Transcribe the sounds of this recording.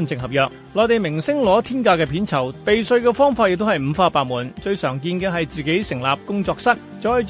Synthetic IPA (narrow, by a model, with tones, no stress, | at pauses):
nt͡sɪ˨˧ŋhɐ˨p̚jœː˨k̚ | lɔː˨˧t̪e˨jmɪ˨˩ŋsɪ˥ŋlɔː˨˥t̪ʰiː˥nkaː˧kɛː˧pʰiː˨˥nt͡sʰɐ˨˩wp̪e˨jsɵ˧ɥkɛː˧fɔː˥ŋfaː˧jɪ˨k̚t̪hɐ˨jm̩˨˧faː˧paː˧t̚muː˨˩nt͡ʃɵ˧ɥsœː˨˩ŋkiː˧nkɛː˧ɦɐ˨jt͡siː˨ke˨˥jsɪ˨˩ŋlaː˨p̚kʊ˥ŋt͡sɔː˧k̚sɐ˥t̚ | t͡sɔː˨˥j